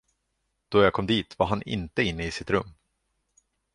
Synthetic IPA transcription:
d̪̥ɔjakʰɔmd̪iːt̪vaɦanʔɪ̰nt̪əɪnːəɪsɪt̪ɾɵmː

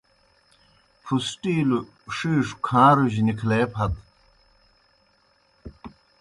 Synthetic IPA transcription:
fʰusʈiːlu | ʂiːʂu̥kʰãːɾuʑnikʰleːpʰɐt̪

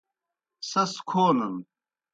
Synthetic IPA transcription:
sɐskʰoːnɐn

